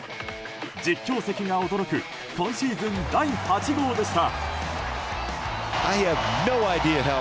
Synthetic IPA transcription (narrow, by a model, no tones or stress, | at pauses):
d͡ʑikʲːo̞ːse̞kʲiŋao̞d̪oɾo̞kɯ̟ | sõ̞ɰ̃ɕiːzɨ̃nd̪aihat͡ɕiɡo̞ːd̪e̞ɕi̥t̪a | aɪɨvnoʊaɪdiɨɦɛ